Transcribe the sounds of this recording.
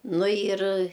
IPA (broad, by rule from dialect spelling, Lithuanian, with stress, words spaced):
ˈnʊ jɪr